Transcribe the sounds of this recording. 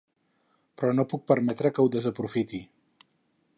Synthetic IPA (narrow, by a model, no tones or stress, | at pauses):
pɾɔnopuk̚pəɾmɛt̪ɾəkəwðəzəpɾufit̪i